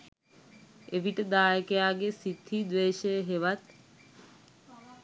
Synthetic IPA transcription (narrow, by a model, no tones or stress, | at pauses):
eʋiʈəd̪aːjəkejaːɡesid̪ʰʱid̪ʋeːʃəjəɦeʋat̪